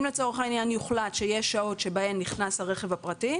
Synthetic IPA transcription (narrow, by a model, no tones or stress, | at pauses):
mlet͡so̞ʁeχainjanjuχlatʃejeʃao̞tʃe̞bae̞mniχnaslaʁe̞χevhapʁati